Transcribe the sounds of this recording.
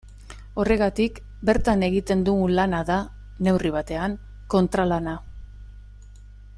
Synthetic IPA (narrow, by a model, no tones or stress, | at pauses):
o̞re̞ɣ̞at̪ik | be̞ɾt̪ane̞ɣit̪e̞nd̪ulanaða | ne̞wriβ̞at̪e̞aŋ | ko̞nt̪ɾalana